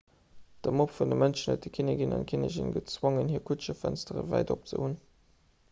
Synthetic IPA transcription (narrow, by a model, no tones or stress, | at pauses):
d̥əmopfundəmənʃnətəkʰinəɡinɑ̰nkʰineʑḭnɡət͡swoŋənhiːɐkʰutʃəfænstəʁə̰væ̰ɪdop̚t͡sə̰hun